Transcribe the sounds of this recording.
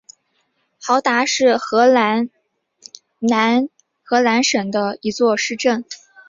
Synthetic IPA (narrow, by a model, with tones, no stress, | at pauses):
xɑ˧˥ʊt̪a˧˥ʂɻ̩˥˩xɤ˧˥la˧˥n | na˧˥n | xɤ˧˥la˧˥nʂə˨˩ŋd̪ə˦i˧˥t͡swɔ˥˧ʂɻ̩˥˧ʈ͡ʂə˥˩n